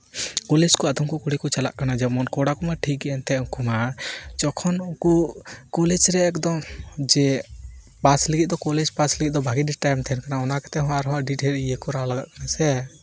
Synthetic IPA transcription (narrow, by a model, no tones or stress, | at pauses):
kɔlɛd͡ʒkɔad̪ɔmkɔkuɽikɔt͡ʃala̰ʔkanad͡ʒɛmɔnkɔɽakɔmaʈʰik̚ɡɛʔɛnt̪ɛɔkumad͡ʒɔkʰɔnɔkɔkɔlɛd͡ʒɾɛːkd̪ɔmd͡ʒɛ | paslɛɡit̪̚d̪ɔkɔlɛd͡ʒpasliɡit̪̚ˀd̪ɔbʱaɡiɖiʈajmt̪ʰɛɛnkanaɔnakḁt̪ɛɦɔ̃waɾɦɔ̃aʔɖiʈɛlijekɔɾalaɡa̰ʔkanasɛ